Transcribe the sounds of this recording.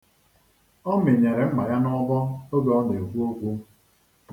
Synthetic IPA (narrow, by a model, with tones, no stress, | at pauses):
ɔ˦me˨ɲe˨ɾe˨m̩˦ma˨ja˦nɔ˦bɔ˦o˦ɡɔ˨ɔ˦ne˨kʷu˦o˦kʷu˦